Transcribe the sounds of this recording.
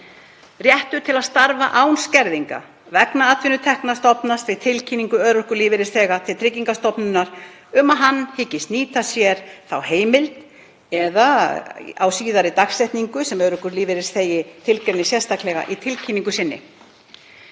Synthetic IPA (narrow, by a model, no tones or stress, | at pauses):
rjɛht̪ʏt̪ʰɪlaðst̪aɾva̰ʔawnscɛɾðiŋka̰ | vɛknaat̪ʰvɪnʏt̪ʰɛhknast̪ɔpnast̪vɪt̪ʰɪlcʰiːniŋkʏœːɾœhkʏɾliːvɪɾɪsθɛːɣat̪ʰɪlt̪ʰɾɪcːiŋkast̪ɔpnʏnːaɾ̥ | ʏmaɦanːhɪcːɪst̪niːt̪asjɛɾ̥θawheːjmɪlt̪ | ɛða | a̰wsiːðaɾɪt̪axsɛjht̪niŋkʏsɛmœɾœhkʏɾliːvɪɾɪsθeːjɪt̪ʰɪlkɾɛɾnɪsjɛð̥st̪ʰaklɛɣa̰ʔit̪ʰɪlcʰiniŋkʏsɪnːɪ̰